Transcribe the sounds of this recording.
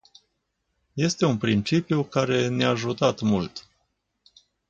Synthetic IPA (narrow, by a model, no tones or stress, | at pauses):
je̞st̪e̞unpɾint͡ʃipjukaɾe̞neaʒut̪at̪mult̪